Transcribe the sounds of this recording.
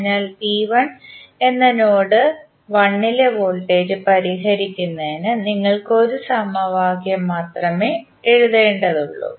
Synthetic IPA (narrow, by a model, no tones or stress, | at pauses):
ɲːaːlt̪iːʋɐne̞nːɐno̞ːɽɨ | ʋɐɳːileʋo̞ːlʈe̞ːd͡ʑɨpɐɾiɦɐɾikʲːunːɐðinɨniŋːɐɭkɨo̞ɾusɐmɐʋaːɡjɐmːaːt̪rɐme̞ː | eɻuðe̞ːɳɖɐðuɭːṵ